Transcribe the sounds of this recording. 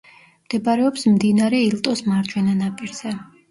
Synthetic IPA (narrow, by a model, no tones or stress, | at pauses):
md̪̥ɛbaɾɛɔpsmd̪inaɾɛilˠt̪ʼɔsmaɾt͡ʃʼwɛnanapʼiɾz̥ɛ